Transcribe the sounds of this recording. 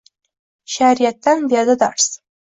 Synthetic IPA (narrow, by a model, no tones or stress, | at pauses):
ʃaɾijat̪ːanbijɑd̪ad̪ɑ̰ɾs